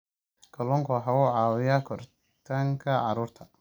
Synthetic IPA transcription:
kʰɐlɔŋkʰɔħɑʊʕɑːwɪjakʰɔr | t̪ʰɐŋkʰɐʕɑɾuːrt̪ʰɐ

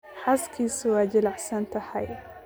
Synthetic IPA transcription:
ħaskʰisʊwad͡ʒɪlaħsant̪aħaj

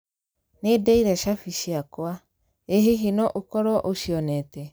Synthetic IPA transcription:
nedɛiɾɛʃafiɕiakwa | eɦeɦinɔʔokɔɾɔʔoɕiɔnɛtɛ

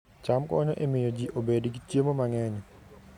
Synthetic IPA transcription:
t͡ʃamkɔɲɔʔemɪjod͡ʒiʔobedɡitjemomaŋɛɲɔ

